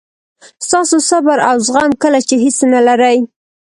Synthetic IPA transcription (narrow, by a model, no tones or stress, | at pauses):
st̪ɑsosabaɾawzɣɑnkəlat͡ʃeɦisnalaɾəj